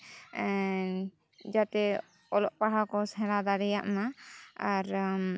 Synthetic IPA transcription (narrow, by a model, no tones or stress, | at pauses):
d͡ʒat̪ɛ | ɔlɔʔpaɽakɔsɛ̃lad̪aɾɛjaʔmaaɾ